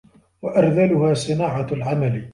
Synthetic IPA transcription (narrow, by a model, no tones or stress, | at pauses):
waʔɑɾˤðalʊhaːsɪnaːʕalʕamal